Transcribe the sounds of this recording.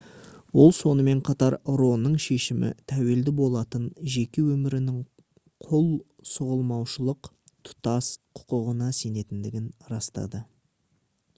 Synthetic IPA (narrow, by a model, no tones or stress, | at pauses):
wo̞lˠso̞nəme̞ɴqʰɑt̪ɑɾɾo̞nːəɴʃe̞ʃɪmɪ̰t̪ʰæwe̞ld̪ɪbo̞lˠɑt̪ənʒe̞kʲe̞wɵmɪɾɪnɪŋ | qʰolˠ | sʊʁəlˠmɑwʃəlˠəq | t̪ʰʊ̥t̪ɑsqʰʊ̥qəʁənɑse̞ne̞t̪ɪnd̪ɪɡʲɪnɾɑst̪ɑ̰d̪ə